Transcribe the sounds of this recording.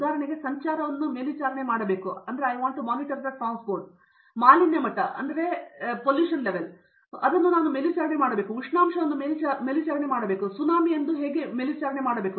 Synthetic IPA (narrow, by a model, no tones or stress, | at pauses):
d̪aːɾɐɳiɡe̞sɐɲt͡ʃaːɾɐʋɐnːumelit͡ʃaːɾɐɳemaːɽɐbeːkuɐnd̪ɐɾeɐjʋaːɳʈumaːniʈɐɾd̪ɐʈɾaːnspoːɾʈ̚ | maːlinjɐmɐʈːɐʔɐ̰nd̪ɐɾe̞poljuːʂɐnleʋel | ɐd̪ɐnːunaːnumelit͡ʃaːɾɐɳemaːɽɐbeːkuuʂɳaːmʂɐʋɐnːumelimelit͡ʃaːɾɐɳemaːɽɐbeːkusunaːmiend̪uɦeːɡemelit͡ʃaːɾɐɳe̞maːɽɐbeːku